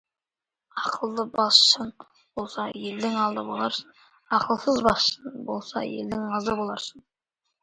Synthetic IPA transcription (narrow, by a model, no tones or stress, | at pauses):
ɑqʰəlˠd̪əbɑsʃən | b̥olˠsɑjeld̪ɪŋɑlˠd̪əbolˠɑɾs | ɑqəlˠsəzbɑsʃənbo̞lˠsɑ̰jḛld̪ɪŋɑzd̪əbolˠɑɾsən